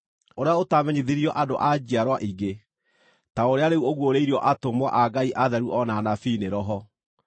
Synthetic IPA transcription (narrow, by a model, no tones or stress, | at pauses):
oɾeaotamɛɲeðiɾiɔʔadoʔad͡ʑiaɾwaʔiɡe | taoɾeaɾeuoɣwoɾeiɾiɔʔatomwa̰ʔaɡaiʔaðɛɾuʔɔnanafiːneɾɔɦɔ